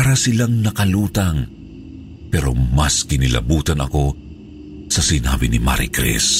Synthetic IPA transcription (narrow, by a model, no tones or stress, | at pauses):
aɾɐsɪlaŋnɐkɐluːt̪ɐŋ | pɛːɾo̞̰mɐskɪnɪlɐ̰buːt̪ɐnɐ̰ko̞ | sɐsɪna̰ːbinima̰ɾḭkɾɛ̰s